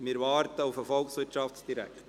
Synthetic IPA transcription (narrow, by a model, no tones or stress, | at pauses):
mɪːɾʋɑːɾt̪əʊfəfɔlˠksʋɪːʃɑfsd̥̪iɾæ̰kt